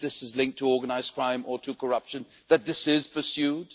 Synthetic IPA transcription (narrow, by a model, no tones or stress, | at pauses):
ðɪsɨzlɪ̃ŋk̚tʰəɔɹɡənaɪz̥kʰɹ̥ãɪ̃mʔətʰəkʰə˞ʌpʃɨ̃n | ðɨt̪̚ðɪsɪz̥pə˞sjʉd